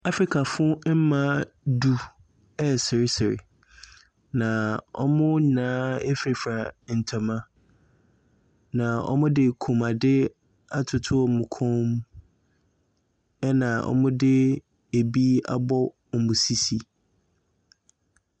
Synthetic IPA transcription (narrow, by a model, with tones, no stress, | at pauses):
a˦fɾi˨kʰa˨fʊ˦m̩˦mã˦ | du˦ | ɛ˦sɪ˨ɾɪ˦sɪ˨ɾɪ̰˨ | nã˨ɔ̰˦mʊ̃˦ɲ˨nãː˦e˦fi˨fɾa˨n̩˨tʰɔ˨mã˦ | nã˨ɔ̰˦mʊ̃˦dɪ˦kʰũ˨ma˨dɪ˦ | a˨tʰʊ˨tʰʊ˦˨mʊ̃˨kʰɔ̃˦m | ɛ˦nã˨ʔɔ̰˨mʊ̃˦dɪ˦ | e˨bi˦a̰˨bɔ˦ | m̩˨mʊ̃˨si˦si˦